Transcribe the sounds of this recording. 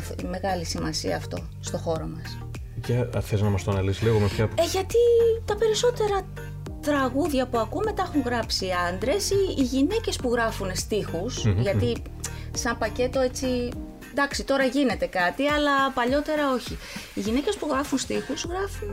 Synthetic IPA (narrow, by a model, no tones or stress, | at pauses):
fme̞ɣɐlisimɐsiɐ̰ːft̪o̞̰ | st̪o̞xo̞ɾo̞mɐs | ceɐ̰feznɐmɐst̪onɐlisliɣomepçɐeʝɐt̪it̪ɐpe̞ɾiso̞t̪e̞ɾɐ | t̪ɾɐɣuðʝɐpuɐkumet̪ɐexuŋɣɾɐpsiɐnd̪ɾe̞siːʝine̞ce̞spuɣɾɐfunest̪ixusʝɐt̪i | sɐmpɐce̞t̪o̞e̞t͡si | nd̪ɐksit̪o̞ɾɐʝine̞t̪e̞kɐt̪iɐlɐpɐʎo̞t̪e̞ɾɐo̞çiiʝine̞ce̞spuɣɾɐfunst̪ixuzɣɾɐfun